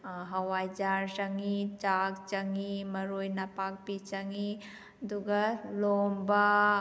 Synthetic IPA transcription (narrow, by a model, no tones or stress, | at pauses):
ɦɐwaːjd͡ʒaːɾʃɐŋit͡ʃaːkt͡ʃɐŋimɐɾoːjnapaːk̚pit͡ʃɐŋi | d̪uɡɐloːmba